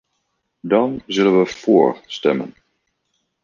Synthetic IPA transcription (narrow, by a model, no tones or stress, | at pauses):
dɑnzɵlənʋəfʊːɹstɛ̰mə̰n